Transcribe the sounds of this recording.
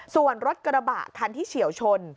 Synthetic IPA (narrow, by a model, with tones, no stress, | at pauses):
su˨˩ənɾo˦˥t̪̚kɾa˧ba̰˨˩k̪ʰːaː˧nt̪ʰiː˥˩t͡ɕʰi˩˦əwt͡ɕʰo˧n